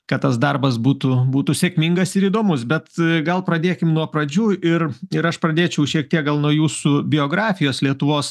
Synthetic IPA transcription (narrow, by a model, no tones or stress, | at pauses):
kɐt̪t̪ːɐsd̪ɐrbɐsbuːt̪ʊbuːt̪ʊsʲekʲmʲiŋɡɐsɪɾiːd̪oːmʊsbʲɛt̪ɡɐlˠpɾɐd̪ʲeːkʲɪmnuɔpɾɐd͡ʒʲuːʔɪrɪɾɐʃpɾɐd̪ʲeːt͡ʃʲɛʊʃʲiɛk̚t̪ʲiɛk̚ɡɐlˠnuɔjuːsʊbʲɪjoːɡɾɑːfʲɪjoːslʲiɛt̪ʊʋoːs